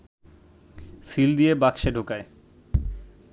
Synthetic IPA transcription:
sild̪ijebakʃeɖʱokae

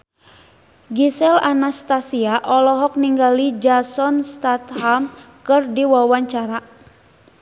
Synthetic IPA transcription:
ɡisɛlanast̪asiaʔɔlɔɦɔk̚niŋɡalid͡ʒasɔnst̪at̪ham | kɨrdiwawaɲt͡ʃaɾa

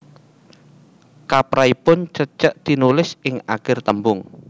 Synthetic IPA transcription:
kapɾaipʊnt͡ʃət͡ʃəʔd̪̥i̤nulɪsɪŋakɪrt̪əmbʊŋ

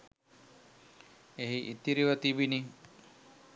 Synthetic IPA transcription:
eɦiʔit̪ːiɾiʋət̪ibini

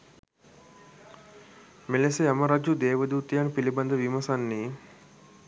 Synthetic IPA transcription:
melesejamɐɾad͡ʒud̪eːʋəd̪uːt̪ijanpilibɐnd̪əʋimɐsanːiː

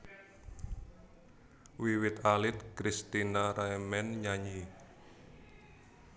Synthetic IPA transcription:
wiwɪt̪alɪt̪̚kɾist̪inaɾaɛmɛnɲaɲi

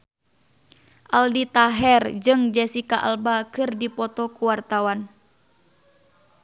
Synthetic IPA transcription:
ʔaldit̪aɦɛrd͡ʒɨŋd͡ʒɛsikaʔa̰lbakɨrdipɔt̪ɔkuwart̪awan

